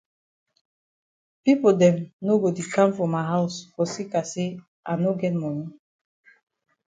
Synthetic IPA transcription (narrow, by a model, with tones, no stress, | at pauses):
pipoldɛ̃˨mno˦ɡo˨tu˨kã˦mfɔ˨ma˨ɦaʊsfɔ˨si˦ka˨se | ʔa˨no˦ɡɛ˦t̚mɔ˨nĩ˦